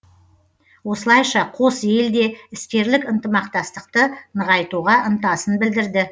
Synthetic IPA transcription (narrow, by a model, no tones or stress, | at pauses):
wo̞səlˠɑjʃɑqʰo̞sje̞ld̪e̞ɪst̪e̞ɾlɪkənt̪əmɑqt̪ɑst̪əqt̪ənəʁɑjt̪uʁɑʔənt̪ɑsənbɪld̪ɪɾd̪ɪ